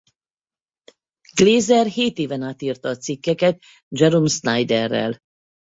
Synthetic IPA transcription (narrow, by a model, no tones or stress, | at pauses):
ɡ̥leːzɛrheːt̪eːvɛnaːt̪iːrt̪ɒːt̪sikːɛkɛt̪̚ | d͡ʒɛɾomʃnajd̪ɛrːɛ̰l